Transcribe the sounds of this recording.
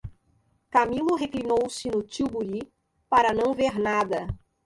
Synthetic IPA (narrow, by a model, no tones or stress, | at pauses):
kamilʊɦeklinowsɪnʊt͡ʃiwbuɾi | paɾɐnɐ̃w̃veɾnad̪ɐ